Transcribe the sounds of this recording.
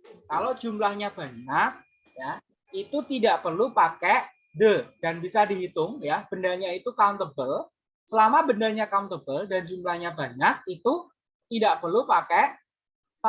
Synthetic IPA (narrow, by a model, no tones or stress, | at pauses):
kalod͡ʒumlahɲabaɲak̚ | ja | it̪ut̪idaʔpərlupakeʔ | dədanbisadiɦit̪ʊŋjab̥əndalɲait̪ukawnt̪əbəl | səlamabəndalɲakaunt̪əbəldand͡ʒumlahɲabaɲak̚it̪u | t̪idaʔpərlupakeʔ